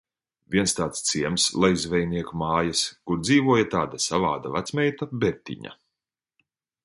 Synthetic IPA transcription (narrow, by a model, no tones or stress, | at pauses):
vʲiɛnst̪aːt̪st̪siɛmslˠajzvɛjniɛkumaːjaskuɾd̪ziːvuɔjat̪aːd̪asavaːd̪avat̪smʲɛjt̪abɛɾt̪ʲḭɲa̰